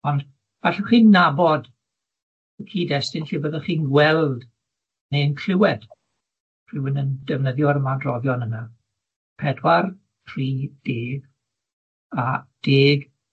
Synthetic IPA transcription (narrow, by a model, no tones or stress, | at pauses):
ɔnd | v̥aɬɛχiːnːabɔd | əkʰiːdɛstɪnɬibəðəχiːnɡwɛlˠd | nejnkʰr̥ɪwɛd̥ | pʰrɪwɪnəndɛvnəðjɔɾəmadrɔvjɔnəna | pʰɛdwar | pʰriːd̥eːɡ | ad̥eːɡ